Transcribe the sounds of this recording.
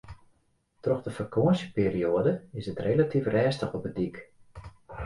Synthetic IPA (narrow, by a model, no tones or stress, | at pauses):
trɔxdəfərkʰoənsjə̥piːrioədəɪsətrelatʰifrɛːstəχɔpədik